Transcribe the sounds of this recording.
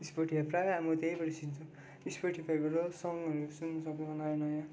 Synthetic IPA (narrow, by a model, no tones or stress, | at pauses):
ispoʈiapɾajamot̪ejpʌɾisint͡sʰũ | ispoʈipʰajbʌɾosʌŋʌɾusunːʌsʌkʌbʌnajonʌjã